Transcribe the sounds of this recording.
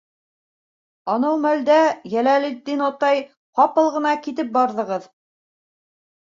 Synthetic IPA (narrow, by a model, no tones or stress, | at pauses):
ɑnɑwmæld̪æjælælid̪ːinɑt̪ɑj | qɑpɤlˠʁɤ̆nɑkit̪ɘp̚bɑɾðɤ̆ʁɤð